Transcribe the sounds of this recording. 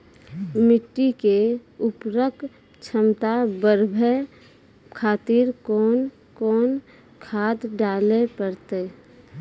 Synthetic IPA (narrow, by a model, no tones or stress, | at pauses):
mɪʈːikeʊpɾək | t͡ʃʰəmt̪abəɾbʱe | kʰaːt̪iɾkɔːn | kɔːn | kʰaːd̪ɖaːlepəɾt̪eː